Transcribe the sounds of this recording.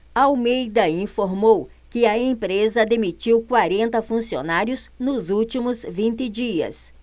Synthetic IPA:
ɐawmejd̪ɐĩfoɾmow | kɪɐẽpɾezɐd̪emit͡ʃiwkwaɾẽnt̪ɐfũsio̰naɾjʊznʊzuwt͡ʃimʊzvĩnt̪ɪd͡ʒiɐ̰s

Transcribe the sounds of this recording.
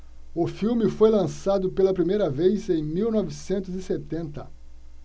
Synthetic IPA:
ʊfiwmɪfojlɐ̃sad̪ʊpelɐpɾimejɾɐvejzẽj̃miwnɔvisẽnt̪ʊzɪset̪ẽnt̪ɐ

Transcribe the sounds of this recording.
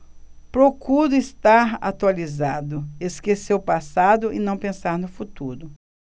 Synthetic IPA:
pɾokuɾʊist̪aɾa̰t̪ualizad̪ʊeskeseɾʊpasad̪ʊʔɪnɐ̃w̃pẽsaɾnʊfut̪uɾʊ

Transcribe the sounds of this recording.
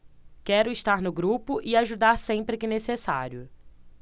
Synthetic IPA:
kɛɾʊɪʃt̪aɾnʊɡɾupʊʔɪaʒud̪aɾsẽmpɾɪkɪnesesa̰ɾjʊ

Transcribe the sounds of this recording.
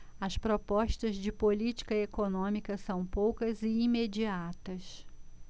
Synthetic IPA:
ɐspɾopɔʃt̪ɐzd͡ʒɪpolit͡ʃi̥kɐekonõmikɐsɐ̃w̃powkɐzɪimed͡ʒiat̪ɐs

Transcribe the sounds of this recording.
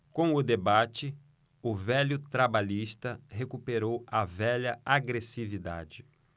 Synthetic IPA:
kõw̃ʊd̪ebat͡ʃɪ | ʊvɛʎʊt̪ɾabaʎiʃt̪ɐɦekupeɾowɐvɛʎɐaɡɾesivid̪a̰d͡ʒɪ

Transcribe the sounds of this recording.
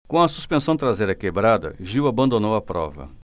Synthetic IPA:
kõw̃ɐsuspẽsɐ̃w̃t̪ɾazejɾɐkebɾad̪ɐ̰ʒiwabɐ̃nd̪onowɐpɾɔ̰vɐ̰

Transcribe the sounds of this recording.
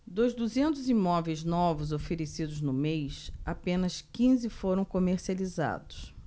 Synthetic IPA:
d̪ozd̪uzẽnt̪ʊzimɔvejznɔvʊzofeɾesid̪ʊznʊmejsapẽnɐskĩzɪfoɾɐ̃w̃komeɾsializa̰d̪ʊs

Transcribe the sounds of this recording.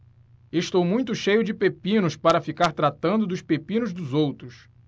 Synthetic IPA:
eʃt̪owmũj̃t̪ʊʃejʊd͡ʒɪpepĩnʊspaɾɐfikaɾt̪ɾat̪ɐ̃nd̪ʊd̪ʊspepĩnʊzd̪ʊzowt̪ɾʊs

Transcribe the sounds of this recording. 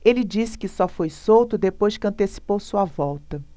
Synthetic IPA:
elɪd͡ʒisɪ̥kɪsɔfojsowt̪ʊd̪epojʃkɐ̃nt̪esi̥powsuɐvɔwt̪ɐ

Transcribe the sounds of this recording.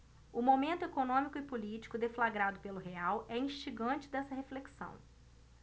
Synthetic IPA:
ʊmomẽnt̪ʊekonõmikʊɪpolit͡ʃi̥kʊd̪eflaɡɾad̪ʊpelʊɦeawɛĩʃt͡ʃiɡɐ̃t͡ʃɪd̪ɛsɐɦefleksɐ̰̃w̃

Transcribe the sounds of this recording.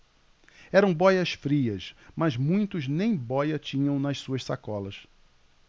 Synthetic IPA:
ɛɾɐ̃w̃bɔjɐsfɾiɐsmɐzmũj̃t̪ʊznẽj̃bɔjɐt͡ʃĩɲɐ̃w̃nɐssuɐʃsakɔlɐs

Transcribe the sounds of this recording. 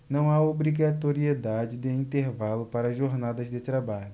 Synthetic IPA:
nɐ̃w̃aobɾiɡat̪oɾied̪ad͡ʒɪd̪ɪĩnt̪eɾvalʊpaɾɐʒoɾnad̪ɐzd̪ɪt̪ɾabaʎʊ

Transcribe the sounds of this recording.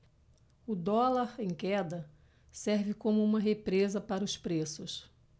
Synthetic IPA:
ʊd̪ɔlaɾẽj̃kɛd̪ɐ | sɛɾvɪkõmʊũmɐɦepɾezɐpaɾɐʊspɾesʊs

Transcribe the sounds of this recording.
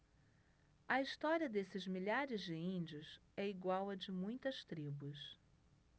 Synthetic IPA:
ɐist̪ɔɾiɐd̪esɪzmiʎaɾɪzd͡ʒɪĩd͡ʒiʊsɛiɡwawɐd͡ʒɪmũj̃t̪ɐst̪ɾibus

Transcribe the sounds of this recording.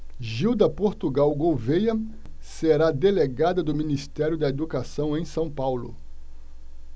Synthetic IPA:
ʒiwd̪ɐpoɾt̪uɡawɡowvejɐ | seɾad̪eleɡad̪ɐd̪ʊminist̪ɛɾjʊd̪ɐed̪ukasɐ̃w̃ẽj̃sɐ̃w̃pawlʊ̰

